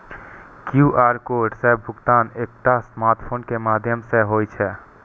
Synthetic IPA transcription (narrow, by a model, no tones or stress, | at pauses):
kjuːʔaːɾkoːɖsɛːbʱːʊɡt̪aːneːk̚ʈ̪asmaːɾʈpʰoːnkemaːd̪ʱjəmseɦoːit͡ʃʰɛː